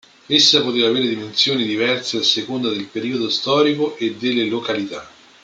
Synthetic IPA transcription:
esːapot̪eːvaːveːɾed̪imensjoːnid̪ivɛrseasːekond̪ad̪elpeɾiːod̪ost̪ɔːɾikoʔed̪ːelːelokalit̪a

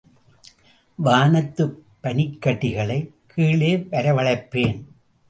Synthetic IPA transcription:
ʋaːnɐt̪ːɯpːɐnɪkːɐʈːɪɣɐɭɐɪ | kʰːiːɭeːʋɐɾɐʋɐɭɐɪpːeːn

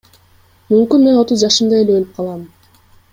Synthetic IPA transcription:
mymkynme̞no̞t̪uzd͡ʒɑʃɯmd̪ɑe̞leølyp̚qʰɑlˠɑm

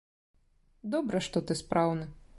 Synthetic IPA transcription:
d̪ɔbɾɐʂt̪ɔt̪ɨspɾawnɐ

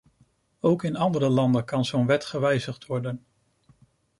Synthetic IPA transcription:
owkɪnɑndəɾəlɑndənkɑnzownʋɛtχəʋɛjzəχtʋɔɹdən

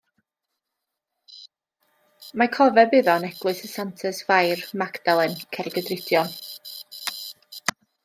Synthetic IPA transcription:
makʰɔvɛbɨðɔnɛɡ̥lˠʊɨsəsantʰəsvajrmakd̥alˠɛnkʰɛɾɛɡədrɪdjɔn

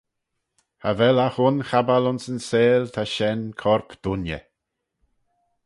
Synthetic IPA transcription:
ha̰vɛlaxʊnxabalʊnsənseːlt̪ʰaʃɛnkʰɔɹpd̪̥ʊnjə̰

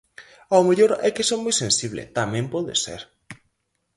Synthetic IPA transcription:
awmeʎoɾɛkesoŋmːojsẽnsiβlḛt̪amɛ̃mpɔðḛsḛɾ

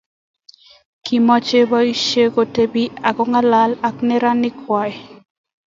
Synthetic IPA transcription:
kimɔt͡ʃebaiʃeɡotebiaɡoŋalalakneɾanikʰaj

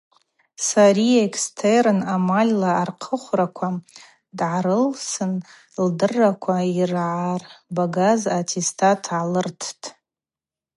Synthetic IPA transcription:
saɾiekʰstʰerɨnamalʲlaːrqʰəχʷrakʷʰa | dʕaɾɨlsɨn | ldɨrːakʷʰairʕarbaɡazatʰistʰatʰʕalɨrtʰtʰʼ

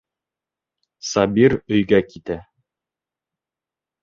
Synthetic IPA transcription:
sɑbiɾɵ̆jɡækit̪æ

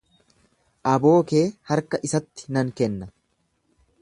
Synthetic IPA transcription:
ʔɐbo̞ːke̞ːhɐɾkɐʔɪsɐt̪ːɪ̥nɐŋkɛnːɐ

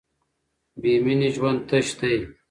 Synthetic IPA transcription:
biminiʒwɐnd̪̚t̪ɐɕt̪ɐj

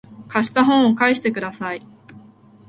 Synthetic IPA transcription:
kaɕi̥t̪aɦõɰ̃okaiɕi̥t̪e̞kɯ̟d̪asai

